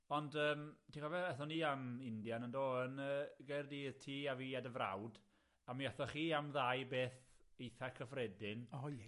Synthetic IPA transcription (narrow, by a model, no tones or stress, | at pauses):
ɔndəːmtʰiɔvɛɛθɔniːamɪndjanəndoːənəːɡejrdiːðtʰiːaviːadəvra̰wd | amiɛθɔχiːamðajbeːθejθɛkʰəvrɛdɪnɔ